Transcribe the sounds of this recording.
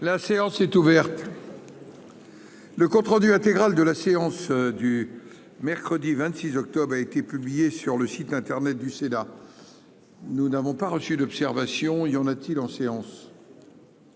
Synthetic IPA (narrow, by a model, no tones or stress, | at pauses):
laseɑ̃sɛt̪uvɛʁt̪ | ləkɔ̃t̪χɑ̃d̪yɛ̃t̪eɡʁald̪əlaseɑ̃sd̪y | mɛʁkχəd̪ivɛ̃t̪sizɔk̚t̪ɔbʁaet̪epyblijesyʁləsit̪ɛ̃t̪ɛʁnɛt̪̚d̪ysena | nunavɔ̃paʁəsyd̪ɔpsɛʁvasjɔ̃ejɑ̃nat̪ʰilɑ̃seɑ̃s